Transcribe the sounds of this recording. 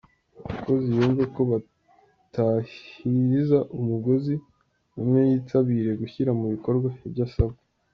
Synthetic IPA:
aβako̞zijoːɱveko̞βa | tahiizaʔumuɡo̞zi | umŋe̞jiːtʰaβiːɾe̞ɡuçiɾamuβiko̞ɾɡwaibjɟasaβa

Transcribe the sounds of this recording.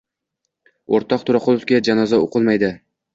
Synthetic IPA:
oɾt̪ʰɒq̚t̪ʰʊɾɒqʰolˠofkʲad͡ʒanɒzaoqʰɨlˠmajd̪ɪ

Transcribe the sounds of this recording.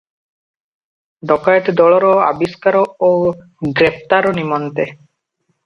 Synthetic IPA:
ɖ̪ɔkajeʈ̪d̪ɔɭɔɾɔa̰biskaɾɔo | ɡɾep̚ʰt̪aɾɔnimɔnt̪e

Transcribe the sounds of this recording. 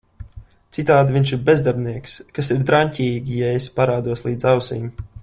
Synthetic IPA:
t̪sit̪aːd̪viɲʃiɾbʲezd̪aɾbʲniɛkskasiɾd̪ɾaɲcʲiːɡʲijaespaɾaːd̪uɔslˠiːd̪zawsḭːm

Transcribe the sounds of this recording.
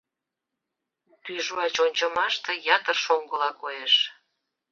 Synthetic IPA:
t̪yʒuɑt͡ɕonʲt͡ɕəmɑʃt̪ejɑt̪ərʃoŋɡəlɑkojeʃ

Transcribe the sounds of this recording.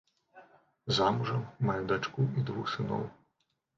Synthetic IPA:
zamuʐɐmːajud̪at͡ʂkuid̪vuxsɨnɔ̰w

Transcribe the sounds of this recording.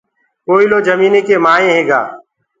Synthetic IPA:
koːiloːd͡ʒəmiːneːkeːmaːẽːɦeːɡa̰ː

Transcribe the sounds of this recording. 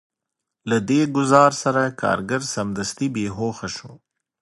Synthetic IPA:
lad̪eːɡʊzɑːɾsɐɾakɑ̰ːɾɡaɾsɐmd̪ɐst̪ibeːɦoːxaʃũ

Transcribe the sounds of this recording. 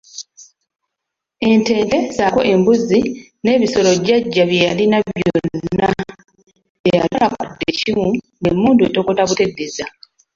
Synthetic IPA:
e̞nte̞ːnde̞zako̞ʔe̞mbuzi | ne̞ːβiso̞lo̞ɟaɟːaβjejalinaβjoonnːa | eja̰lalakudːe̞cimu | ne̞muːndueto̞ːkotaβute̞dːeza

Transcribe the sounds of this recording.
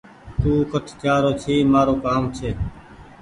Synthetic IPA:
t̪uːkəʈʰt͡ʃaːɾoːt͡ʃʰiːmaːɾoːkaːmt͡ʃʰeː

